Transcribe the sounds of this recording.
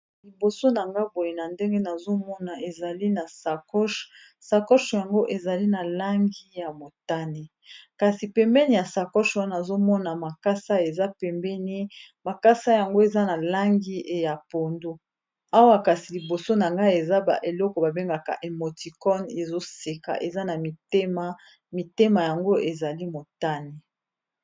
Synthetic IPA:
li˨bo˨so˦na˨ŋɡa˦bo˨je˨na˨nde˦ŋɡe˦na˨zo˦mɔ˦na˨e˨za˨li˦na˨sa˨kɔ˦ʃ | sa˨kɔ˦ʃja˨ŋɡo˦ʔe˨za˨li˦na˨la˦ŋɡi˦ja˨mo˨ta˦ne˨ | ka˨si˨pɛ˨mbɛ˦ni˨ja˨sa˨kɔ˦ʃwa˦a˨zo˦mɔ˦na˨ma˨ka˦sa˦e˨za˦pɛ˨mbɛ˦ni˦ma˨ka˦sa˦ja˨ŋɡo˦e˨za˦na˨la˦ŋɡi˦˨ja˨po˨ndo˦ | a˦wa˦ka˨si˨li˨bo˨so˦na˨ŋɡa˦e˨za˦ba̰˨ʔe˨lɔ˦kɔ˨ba˨be˦ŋɡa˨ka̰˨ʔe˨mo˨ti˨kɔ˦ne˨zo˦se˨ka̰˨ʔe˨za˦na˨mi˨te˦ma˦ | mi˨te˦ma˨ja˨ŋɡo˦ʔe˨za˨li˦mo˨ta˦ne˨

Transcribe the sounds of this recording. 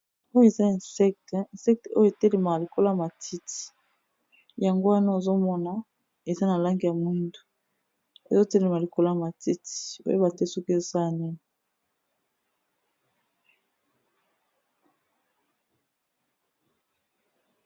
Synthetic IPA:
o˦jo˦e˨za˦˨sɛ˦k̚tnsɛ˦k̚te˨o˦jo˦e˨tɛ˦le˨ma˨li˨ko˦la˦˨ma˨tʰi˦ti̥˨ | ja˨ŋɡo˦a˦na˦o˨zo˦mɔ˦na˦ | e˨za˦na˨la˦ŋɡi˨ja˨mui˦ndu̥˨ | ḛ˨zo˦tɛ˦le˨ma˨li˨ko˦la˦a˨ma˨ti˦ti̥˨o̰˦jo˦ba˨te˦sɔ˦ke˨zo˦sa˦la˨ni˦ni˨

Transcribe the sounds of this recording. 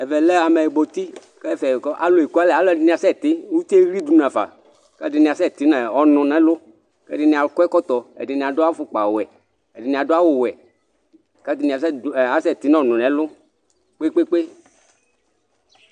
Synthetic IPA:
ɛ˨vɛ˨lɛ˦a˨mɛ˨e˨ɡ͡bo˨t̪i˦ | kɛ˦˨fɛ˨kɔ˦ʔa̰˨lʊ˨e˨ku˦a˦lɛ˨a˨˦lɔ˦˨ɪ˨nĩ˨a˨sɛ˦˨t̪ɪ˦u˦t̪e˦ɾi˦du˨n˨a˨fa̰˨ | ka˦˨dɪ˨nĩ˨a˨sɛ˦˨t̪i˨˦nɛ˨ɔ˨nʊ̃˧nɛ˨˦lʊ˦ | kɛ̰˦dɪ˧˨nĩ˧˨a˨lkɛ˦kɔ˦t̪ɔ˨ɛ̰˨dɪ˨nĩ˨a˨dʊ˦a˦fʊ˨k͡pa˨wɛ˨ | ɛ˨dɪ˨nĩ˨a˨dʊ˦a˦wʊ˨wɛ˨ | ka˦dɪ˨nĩ˧˨a˨s̬ɛ˦˨a˨˦sɛ˦˨t̪i˨˦n˦ɔ˦˨nʊ̃˨nɛ̃˨˦lʊ˦ | k͡pe˦k͡pe˦k͡pe˦

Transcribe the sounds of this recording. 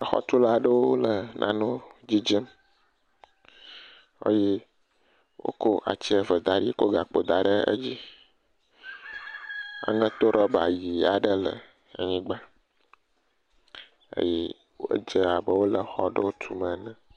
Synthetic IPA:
xɔ̰˦t̪u˦la˦ɖə˦wo˦lə˨nʔã˨nõ˦d͡ʑi˦d͡ʒə˦m | o̰˦je˦ | wʔo̰˦ko˦ʔa̰˨t͡ɕi˦ə˨və˨d̪a˨ɖi˦ko˦ɡa˨k͡po˨d̪a˨ɖə˦ə̰˦d͡ʑi˦ | a̰˨ŋə̃˦t̪o˦ɾɔ˦ba̰˨ji˨a˨ɖə˦lə̰˨ | a̰˨ɲĩ˦ɡ͡ba˦ | ə̰˦jɛ˦ | w̰d͡ʒə˦a˨bə˦wo˦lə˨xɔ˦ɖə˦wo˦t̪ʰu˦mə̃˨nə̃˨

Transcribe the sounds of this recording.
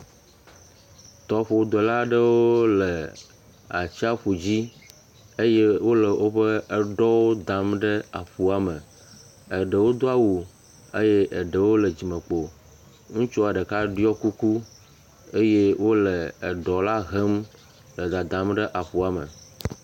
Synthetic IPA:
t̪ɔ˨ɸo˨wd̪ɔ˨la˦ɖə˦wo˦lə˨ | a˨t͡ʃi˦a˦ɸu˨d͡ʑi˦ | e˦je˦wo˦lə˨wʔo˦ɸə˦ə˦ɖɔ˦wo˦d̪ã˨˦mɖə˦a˨ɸu˦a˨mə˨ | ə˨ɖə˨wo˦d̪o˦a˦wu˨ | e˦je˦ʔə˨ɖə˨wo˦lə˨d͡ʑi˨mə̃˨k͡po˨ | ŋũ˦t͡ʃu˦a˨ɖə˨ka˦ɖi˦ɔ˦ku˦ku˦ | e˦je˦wo˦lə˨ə˨ɖɔ˨la˦ɦe˦m | lə˨d̪a˨d̪ã˨˦mɖə˦ʔa˨ɸu˨a˨mə̰˨

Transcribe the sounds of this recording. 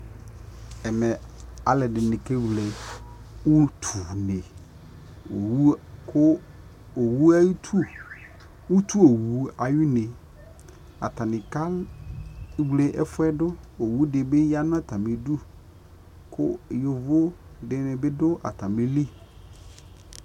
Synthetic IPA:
ɛ˨mɛ˨a˨lɛ˨dɪ˨nɪ̃˨ke˦wle˨ | wʊ˦tʰu˨ne˨ | o˨wu˦kʰʊ˦ | o˨wu˦a˦i˦tʰu˦ | wu˦t̪ʰu˦o˨wu˨˦a˨jɪ˦nɪ̃˨ | a̰˨ta˨nɪ̃˨ka˦l | wle˨ʔɛ˦fʊ˦ɛ˦dʊ˦o˨wu˦dɪ˨bɪ˦ja˦n˦a˦ta˨mɪ̃˨du˦ | kʰʊ̰˦jʊ˨vʊ˦dɪ˨nɪ̃˨bɪ˦dʊ˦ʔa̰˨ta˨mɪ̃˦li˦

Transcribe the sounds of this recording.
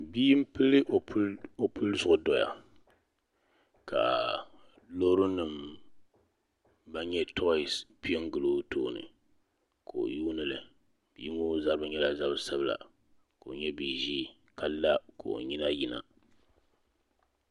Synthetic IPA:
biː˦m̩˦pɨ˦lɨ˦ʔo˨˦o˦pɨ˦lzʊ˨ʔʊ˨dɔ˨ja̰˨ | ka̰˨ | lo˦ɾɨ˦nɨ˨m | ba˦ɲɛ˦tʰɔ˦˨spi˦e˦ŋ˦ɡɨ˨loː˦tʰoː˦˨nɨ̰˨ | kʰo̰˨o̰˨juː˦nɨ˦lɨ˨ | b̥iː˦ŋo˦za˦ɾɨ˦bɨ˦ɲɛ˦la˨za˦bsa˦bɨ˦la̰˨ | ko˨o˨ɲɛ˦bi˨ʒiː˦ | ka˦lːa˦ko̰˨o̰˨ɲi˦na˦ji˨na̰˨

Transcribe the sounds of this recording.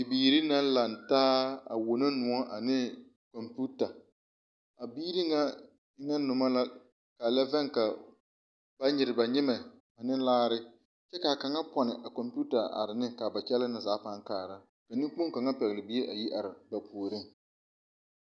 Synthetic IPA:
i˨biː˨ɾi˦na˦la˨ntaː˦a̰˨wo˨na˦nʊ˨ɔ˦ʔa˨nɪ˦ | kɔ˨mpu˦ta˨ | a˨biː˦ɾi˦ŋa˦ | na˦nʊ˨ma˦la˦ | ka˨lɛ˦vɛ˦ŋka˨ | b̥a˦ɲɪ˨ɾɪ˨ba˨ɲɪ˦mɛ˨ | a˨nɪ˦laː˦ɾɪ˦ | t͡ʃɛ˦ka˨ka˨ŋa˦pɔ˨nɪ˨ʔa˨kɔ˨mpu˦ta˨ʔa̰˨ɾɪ˨nɪ˦ka˨ba˨t͡ʃɛ˦la˦nɪ˨zaː˨˦pa˦ŋkaː˨ɾa˦ | ka˨nɪ̃˦ŋk͡po˦ŋ˦ka˨ŋa˦pɛ˨ɣlɪ˨bi˦e˦ʔa˨ji˦ʔa˨ɾɪ˨ba˨pʰuː˨ɾɪ˦

